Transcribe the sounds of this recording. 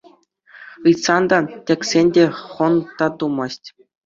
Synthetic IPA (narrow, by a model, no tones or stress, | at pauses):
ɯjt̪sɑnd̪ɑtʲĕkʲsʲenʲdʲeχɤ̆nt̪ɑt̪umɑsʲtʲ